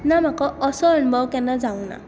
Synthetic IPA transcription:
namakɔɔsɔnbɔwkɛnazaw̃na̰

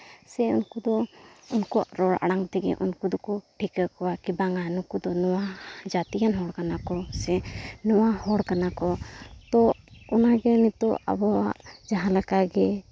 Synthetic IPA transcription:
sɛṵnkud̪ɔunkua̰ʔɾɔɽa̰ɽaŋt̪ɛɡɛ̰ʔunkud̪ɔkɔʈʰikəkɔwakibaŋanɔkud̪ɔnɔwad͡ʒat̪ijanɦɔɽkanakɔsɛnɔwahɔɽkanakɔt̪ɔɔnaɡɛnit̪ɔʔa̰bɔaʔd͡ʒaɦãlakaɡɛ

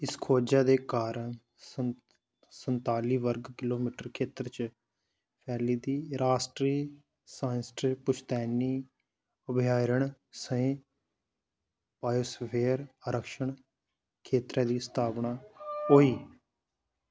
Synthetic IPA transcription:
ɪskʰoːd͡ʒaːd̪eːkaːɾəɳ | ə | sənt̪aːliːʋəɾɡkɪloːmiːʈəɾkʰeːt̪əɾt͡ʃ | pʰɛːliːd̪iːɾaːsʈɾiː | saːnsʈɾiːpʊt͡ʃt̪ɛːniː | ʊbɪjaːɾəɳ | səẽː | paːjoːspʰeːɾəɾəkʃəɳ | kʰeːt̪ɾɛːd̪iːsə̥t̪ʰaːpɳaːɦoːiː

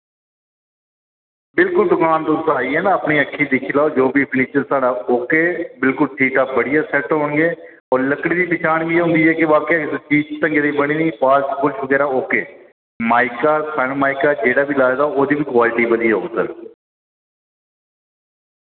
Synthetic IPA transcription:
bɪlkʊld̪ʊkaːnt̪ʊsaːiːɦɛːnaːəpɳiːəkʰːiːd̪ɪkʰiːlaːoːd͡ʒoːbiːpʰɪniːt͡ʃəɾsaːɽaːoːkeːbɪlkʊlʈʰiːʈaːbəɽɪjaːsɛʈɦõːɳɡeː | ɔːɾləkɽ̃iːd̪iːpɪt͡ʃʰaːɳɡiːɦʊ̃nd̪iːɦɛːkɪʋaːkeːt͡ʃiːd͡ʒt̪ə̃ŋɡed̪iːbəɽ̃iːniːpaːskʊt͡ʃʰʋəɡɛːɾaːoːkeː | maːɪkaːsəɳmaːɪkaːd͡ʒeːɽaːbiːlaːd̪aːoːd̪iːʋiːkwaːlɪʈiːbəd̪iːo̰ːsə̰ɾ

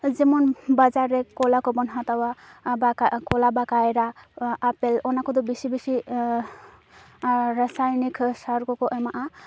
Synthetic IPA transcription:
zimɔnbazaɹɛkɔlakɔbɔnɦat̪awaakɔlabakajɾaapɛlɔnakɔd̪ɔbisibisi | ɹasajniksaɾkɔkɔʔɛmaʔa

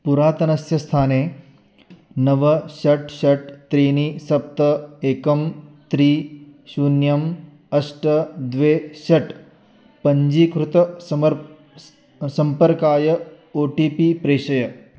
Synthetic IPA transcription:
puɾaːt̪ɐnɐsjɐst̪ʰaːneː | nɐʋɐʃɐʈʃɐʈt̪ɾiːnisɐp̚t̪ɐeːkɐmt̪ɾiːʃuːnjɐm | ɐsʈɐd̪ʋeːʃɐʈ | pɐɲd͡ʒiːkɾut̪ɐ | sɐmpɐɾkaːjɐ | oːʈiːpipɾeːʃɐjɐ

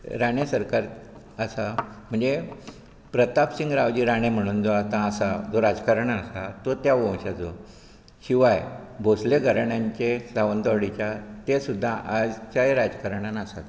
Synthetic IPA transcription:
ɾaɳ̃esəɾkaɾ | əsam̤əɳd͡ze | pɾət̪apsiŋɡɾaʋd͡ʑiːɾaɽ̃em̤əɽ̃uːnd͡zoat̪ãːsad͡zoɾad͡zkaɾəɳaəsat̪ot̪jaʋə̃w̃ɕat͡so̰ | ɕiʋajbʱosleɡʱəɾɳaɲt͡ɕesaʋənd̪ɔɽit͡ɕjat̪esud̪ʱːaʔad͡zt͡ɕajeɾad͡zkaɾəɳanasa̰t̪

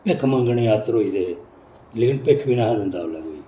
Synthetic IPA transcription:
peːkʰmə̃ŋɡəɳiaːt̪ɾoːiːd̪e | leːkɪnpeːkʰbiːnaːɦad̪ɪ̃nd̪aːlaːɡoiː

